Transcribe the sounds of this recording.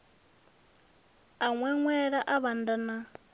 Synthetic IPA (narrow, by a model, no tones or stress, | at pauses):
aŋwɛŋwɛɺaʔaβandana